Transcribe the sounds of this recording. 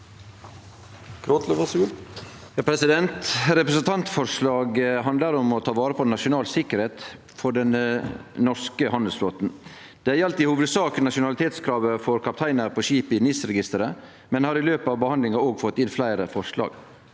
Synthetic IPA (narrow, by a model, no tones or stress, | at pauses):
kʰɾot̪ləʋɑsʉ | jɑːpʰɾɛsɪd̪ɛnt̪ɾɛpɾəsənt̪ʰɑnt̪fɔɾʂlɑːɡɦɑnd̪ləɾɔmɔt̪ʰɑːʋɑːɾəpʰɔnɑʃʊnɑːlsɪkːəɾheːt̪ | fɔɖɛnnɔɾskəhɑnd̪əlsfloːt̪n | d̪̥ɛæɾɑlt̪ɪhuːʋəd̪sɑːknɑʃʊnɑlɪt̪ʰeːt̪skʰɾɑːʋəfɔɾkʰɑp̚t̪ʰæɪnəɾpʰɔʃiːpɪnɪsɾɛɡɪst̪əɾə | mɛnhɑɾɪløːpəɑːʋbəhɑnd̪lɪŋɑoːɡfɔt̪ːɪnflæɪɾəfɔɾʂlɑ̰ːɡ̥